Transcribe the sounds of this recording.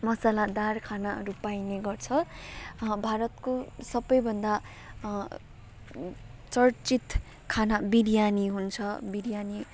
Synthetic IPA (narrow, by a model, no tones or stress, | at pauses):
mʌsalad̪arkʰanaʌ̰ɾupajneɡʌrt͡sʰʌ | bʱaɾʌt̪kosʌbʌjbʱʌnd̪a | t͡sʌrt͡sit̪ | kʰanabiɾjaniɦunt͡sʰʌbiɾjani